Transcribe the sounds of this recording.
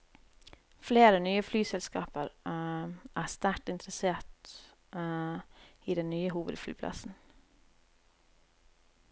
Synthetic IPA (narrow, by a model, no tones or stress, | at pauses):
fleːɾənyːəflyːsɛlskɑ̰ːpəɾ | ʔæːst̪æʈɪnt̪ɾəseːʈ | iːd̪ɛnnyːəɦuːʋə̰d̪fly̰ːpʰlʔɑ̰sn̩